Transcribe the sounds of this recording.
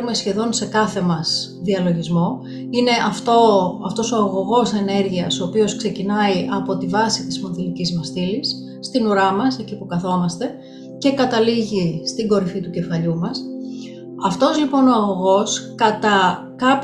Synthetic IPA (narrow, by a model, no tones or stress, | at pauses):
ume̞sçe̞ðo̞nse̞kɐθe̞mɐs | ðiɐlo̞ʝizmo̞ | ine̞ʔɐft̪oɐft̪o̞so̞ɐɣo̞ɣo̞se̞ne̞ɾʝiɐso̞ːpio̞skse̞cinɐiʔɐpo̞t̪ivɐsit̪ismo̞nðilicizmɐst̪ilisː | t̪inuɾɐmɐse̞cipukɐθo̞mɐst̪e̞ | ce̞kɐt̪ɐliʝist̪iɡo̞ɾifit̪uce̞fɐʎumɐs | ɐft̪o̞zlipo̞no̞ɐɣo̞ɣo̞skɐt̪ɐ | kɐp